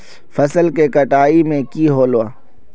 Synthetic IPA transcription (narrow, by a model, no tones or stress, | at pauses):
fɐsəlkekɐʈaːimẽkiːɦoːloaː